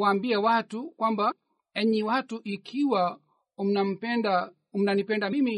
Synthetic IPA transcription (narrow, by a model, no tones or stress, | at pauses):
aːmbiɛwatukwamba | ɛɲiwatuʔikʰiwa | unam̩pɛnda | um̩nanipɛndamimi